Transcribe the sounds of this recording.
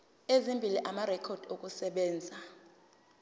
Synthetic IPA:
ezimbʱiliʔamarɛkʰɔd̥ʱok̬ʼusɛɓɛːnd͡zʱa

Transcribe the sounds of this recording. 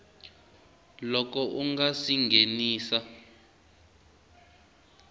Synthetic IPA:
lɔkɔʔuŋɡasiŋɡeniːsa

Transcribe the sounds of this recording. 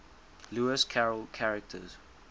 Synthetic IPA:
luɪskʰaɹəlkʰaɹɛk̚tʰə̰z̥

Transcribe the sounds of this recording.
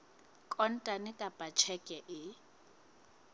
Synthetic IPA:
kʼɔn̩tʼanɪkʼapʼat͡ʃʰɛkʼɛʔɪ

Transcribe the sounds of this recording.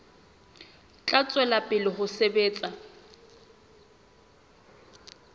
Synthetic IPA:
t͡ɬʼat͡sʼwɛlapʼɪlɪhʊsebeːt͡sʼa

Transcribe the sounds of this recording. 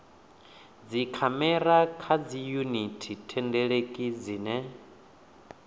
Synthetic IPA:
d͡zikʰamɛɾakʰad͡zijunitʰitʰɛndɛɺekʼid͡ziːnɛ

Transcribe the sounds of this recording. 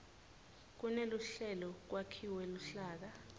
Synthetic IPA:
k̬uneluɬɛlɔk̬wakʰiwɛluɬaːk̬a

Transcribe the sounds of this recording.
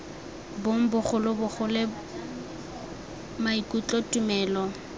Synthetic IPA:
boŋ̩bʊχʊlʊbʊχʊlɪ | maikʼut͡ɬʼɔtʼumɛːlɔ

